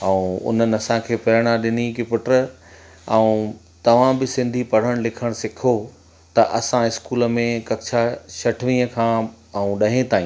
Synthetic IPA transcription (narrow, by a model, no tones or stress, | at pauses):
ɐũʊ̰n̤ənɪ̆ɐsãkʰeːpɪɾəɽ̃aɗɪn̤ikɪpʊʈɾə | ɛũ | t̪ɐʋ̤ãbɪsɪ̃nd̪ʱipɐɽ̤əɽ̃lɪkʰəɽ̃sɪkʰo | t̪ɐʔɐsãɪskuːlə̆mẽkɐkt͡ʃʰaʃɐʈʰʋĩːə̃kʰãː | ɛũɗɐɦẽt̪aːĩː